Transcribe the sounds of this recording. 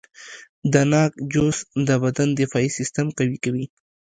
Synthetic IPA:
d̪ənɑk̚d͡ʒosd̪əbad̪and̪ɪfɑisɪst̪amkawikawi

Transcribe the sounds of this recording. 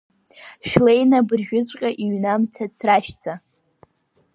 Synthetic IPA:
ʃᶣlejnabɨrʒᶣʊt͡ɕʷʼqʲʼaʔiɥnamt͡sʰat͡sʰraʃt͡sʰa

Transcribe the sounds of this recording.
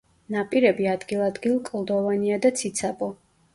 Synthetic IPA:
napʼiɾɛbiad̪ɡilˠad̪ɡilˠkʼlˠd̪ɔvaniad̪at̪sʰit̪sʰabɔ

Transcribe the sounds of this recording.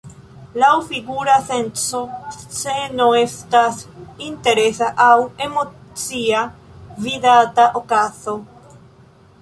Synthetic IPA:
lawfiɡuɾasensot͡senoest̪asint̪eɾesaʔawemot͡siaviðat̪aʔokaso

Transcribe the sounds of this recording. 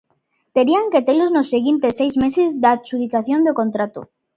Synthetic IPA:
t̪e̞ɾiaŋket̪eloznosːeɣint̪esejzmesezd̪at͡ʃuðikaθjond̪oko̞nt̪ɾat̪ṵ

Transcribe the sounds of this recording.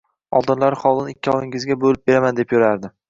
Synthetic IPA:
ɒlˠd̪ɪnlaɾχɒlˠɪnɪkʲːɪɒlˠɪŋɪzɡʲabolɪp̚be̞ɾamand̪epjoɾaɾd̪ɪ

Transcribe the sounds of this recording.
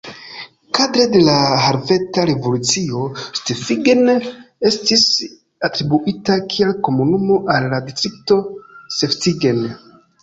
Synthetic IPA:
kadɾede̞laɦaɾve̞taɾe̞vo̞lut͡sio̞stefiɡene̞stis | atɾibuʔitakʰielko̞munumo̞ʔalːadistɾik̚to̞se̞ftiɡe̞n

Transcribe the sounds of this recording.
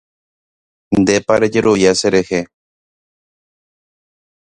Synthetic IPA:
nd̪epaɾed͡ʒeɾujaseɾehe

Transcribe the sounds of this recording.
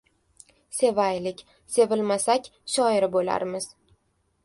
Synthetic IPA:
se̞vajlɪkʲ | se̞vɪlmasakʲʃɒɪɾɪbola̰ɾmɪz̥

